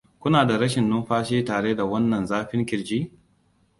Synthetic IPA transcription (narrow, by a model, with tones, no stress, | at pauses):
kʷʊ˦naː˨da˨ɾɐ˦ʃɪ˨nːʊ˦mɸaː˦ʃiː˦taː˨ɽe˦da˨wɐ˦nːɐ˨nzaː˦ɸɪ˦ŋkʲɪ˨ɽd͡ʒiː˦